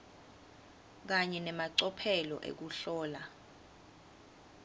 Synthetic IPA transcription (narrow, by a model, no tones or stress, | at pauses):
k̬aɲɛnɛmaǀɔpʰɛlɔ̰ʔḛk̬uɬɔːla